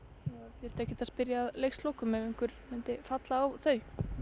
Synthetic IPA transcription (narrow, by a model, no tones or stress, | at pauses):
afjɛɾt̪ɛhcːɪt̪aspɪɾjaːðlejxslowkʏmɛvejŋkvʏɾmɪnt̪ɪfat̪laːwθœɥ